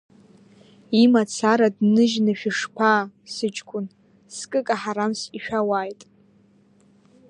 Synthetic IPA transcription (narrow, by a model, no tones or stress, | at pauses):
imat͡sʰaɾadnɨʒnɨʃᶣɪʂpʰaːsɨt͡ʃʼkʷʼʊn | skʼɨkʼaħaɾamsiʃᶣawaːjtʼ